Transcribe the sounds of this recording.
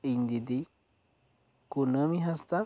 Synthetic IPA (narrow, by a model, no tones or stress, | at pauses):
iɲd̪id̪i | kunəmiɦast̪a